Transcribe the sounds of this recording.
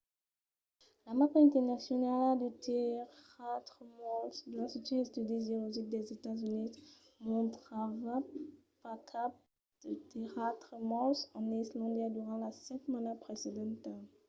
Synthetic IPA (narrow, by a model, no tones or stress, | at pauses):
lamapɛ̃nt̪ɛnasjɔnald̪ət̪ʰeʁat̪χmɔlsd̪ãsut̪jɛ̃st̪yd̪izeʁozik̚d̪ɛzet̪azynit | mɔ̃t̪χava | pakʰap̚ | d̪̥ət̪eʁat̪χəmɔlsɑ̃nislɑ̃d̪ad̪yʁɑ̃lasɛ̃kmɔ̃napχesed̪ɑ̃t̪ə